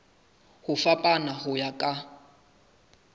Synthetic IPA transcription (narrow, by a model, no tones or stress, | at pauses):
hʊfapʼanahʊjakʼa